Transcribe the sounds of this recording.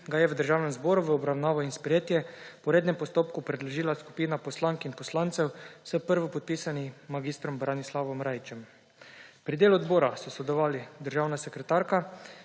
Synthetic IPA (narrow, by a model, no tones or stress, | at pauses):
ɡajɛʋəd̪əɾʒaːwnɛmzbɔːɾuʋəɔbɾawnaːʋɔinspɾɛjeːt̪jɛpɔɾeːd̪nɛmpɔst̪oːpkupɾɛd̪lɔʒiːlasku̥piːnapɔslaŋkinpɔslant̪sɛwsəpəɾʋɔpɔt̪̚pisanimaɡist̪ɾɔmbɾanislaʋɔmɾajt͡ʃɛm | pɾid̪eːluɔd̪bɔːɾasɔsɔd̪ɛɔʋaːlid̪əɾʒaːwnasɛkɾɛt̪aːɾka